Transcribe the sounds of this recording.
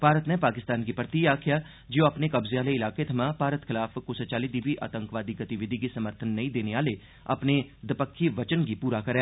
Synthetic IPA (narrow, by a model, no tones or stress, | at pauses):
paːɾət̪nẽpaːkɪst̪aːnkipɾət̪iaːkʰja | d͡ʒoːɐpnekɐbzeaːleɪlaːket̪ʰɐmãːpaːɾət̪xɪlaːfkosət͡ʃaːlid̪iːbʱiʔa̰ːt̪ə̃ŋkʋaːd̪iɡɐt̪iʋɪd̪ʱikisɐməɾt̪ʰənːɐɦĩd̪eːneʋaːle | ɐ̰pned̪ɪpəkʰːiʋɐt͡ʃənkipuːɾakɐɾɛː